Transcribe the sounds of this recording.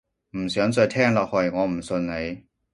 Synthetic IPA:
m̩˨˩sjœː˨˥ŋt͡sɔ˧jt̪ʰɛː˥ŋlɐ˧˨hɔ˧˩jŋɔː˨˧˥m̩˨˩sɵ˧nne˨˧˦j

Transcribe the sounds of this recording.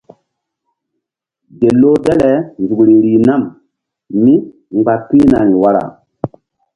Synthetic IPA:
ɡe˨lo˦dɛ˦lɛ˨nzu˨kɾi˨ɾi˨na˦˨m | mi˦ | ŋ͡mɡ͡ba˨pi˦na˨ɾi˨wa˦ɾa̰˨

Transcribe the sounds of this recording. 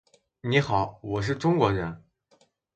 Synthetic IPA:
ni˧˥xɑ˨˩˦ʊwɔ˨˩ʂ̬ɻ̩˥˩ʈ͡ʂʊ˥ŋkwɔ˧˥ɻə˧˥n

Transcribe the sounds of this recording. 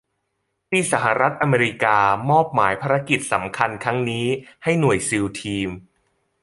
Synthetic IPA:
t̪iː˥˩sa˩˦ɦa˨˩ɾa˦˥t̪̚ʔa˧meː˧ɾi˦˧˥kaː˧mɔː˥˩p̚maː˩˦jpʰaː˧ɾa˧˥ki˨˩t̪̚sa˩˦mkʰa˧nkʰɾa˦˥ŋniː˦˥ha˥˩jnu˨˩əjsi˧wt̪ʰiː˧m

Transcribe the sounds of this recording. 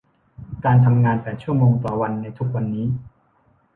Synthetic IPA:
kaː˧nt̪ʰa˧mŋaː˧npɛː˨˩t̪̚t͡ɕʰu˥˩ɐmoː˧ŋt̪ɔː˨˩wa˧nːa˧jt̪ʰu˦˥k̚wa˧nːiː˦˥

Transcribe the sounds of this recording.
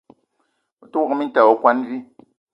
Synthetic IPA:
tu˦˨mi˦n̩˦ta˨wɔ˨kwa˦nβi˦

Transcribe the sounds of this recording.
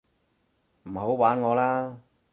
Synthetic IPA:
m̩˨˩ɦo˨˥wwaː˨˥nŋɔː˨˧laː˥

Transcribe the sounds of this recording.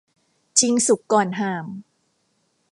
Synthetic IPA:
t͡ɕʰi˧ŋsu˨˩kːɔː˨˩nɦaː˨˩m

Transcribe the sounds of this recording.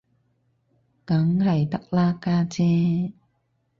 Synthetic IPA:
ka˨˦ŋɾa˨˩jt̪a˦˥k̚laː˧kaː˧t͡ɕɛː˧

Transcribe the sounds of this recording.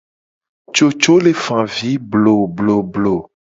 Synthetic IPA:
t͡ʃo˨t͡ʃo˦le˨fã˨vi˦blo˨blo˨blo˨

